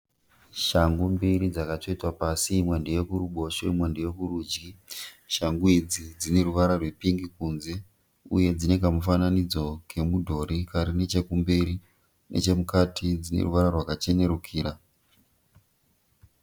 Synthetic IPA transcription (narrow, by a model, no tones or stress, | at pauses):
ʃaŋɡumbiɾid͡zakato̞itwapasimwendeje̞kuɾuɓo̞ʃeimwendeje̞kuɾuːd͡ʒɡi | ʃaŋɡuid͡zid͡zine̞ɾuʋaɾarwe̞piŋɡikunze̞ | ṵje̞d͡zine̞k̬amufananid͡zo̞kʰe̞mudʱo̞ɾikaɾine̞t͡ʃe̞kumbiɾi | nʔe̞̰t͡ʃe̞mukatid͡zinḛruʋaɾarwakat͡ʃe̞ne̞ɾukʰiːɾa